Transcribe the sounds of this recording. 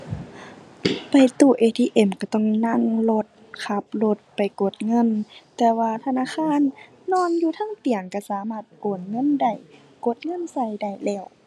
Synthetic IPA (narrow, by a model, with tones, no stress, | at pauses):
pa˨˩jt̪uː˧˩ʔeː˧˩t̪ʰiː˧˨ʔe˧˩˨mka˧˩t̪ɔ˧˩˨ŋna˧˨ŋlo˧t̪̚kʰa˧˦p̚lo˧t̪̚pa˨jko˧˩˦t̪̚ŋɤ˧˥˨nt̪ɛː˧waː˧˨t̪ʰa˧˨naː˧˥˨xʰaː˧˥˨nː | ɔː˧˥˨njuː˧t̪ʰaː˧˥˨ŋt̪i˨˩əŋka˧˩saː˨˦maː˧˩t̪̚koː˨˩t̪̚ŋɤ˧˥˨nda˧˩j | ko˧˦t̪̚ŋɤ˧˥˨nsa˧˨jda˧˩jlɛː˧˩w